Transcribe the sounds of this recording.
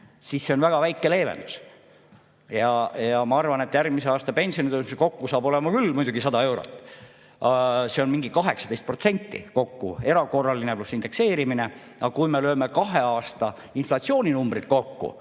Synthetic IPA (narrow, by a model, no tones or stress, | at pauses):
sisːe̞o̞nvæɡ̥ɑvæjkːˑe̞le̞ːve̞̰nd̪us | jɑjɑmɑɑrvɑne̞t̪jærɡmiseɑːst̪ɑpe̞nʲsionit̪øsmsko̞kːusɑːbo̞le̞mɑkylmujd̪uɡisɑd̪ɑe̞wɾo̰t̪ːˑ | ɑse̞o̞nmiŋɡ̥ikɑɦe̞ksɑd̪e̞jst̪̚pro̞t̪se̞nʲt̪ːḭko̞kːṵe̞ɾɑko̞rːɑlineplusːind̪̥e̞kse̞ːɾimine̞ | ɑkujme̞løːme̞kɑɦe̞ɑːst̪ɑ | inflɑt̪sio̞ːnʲinumbɾit̪̚ko̞kːṵ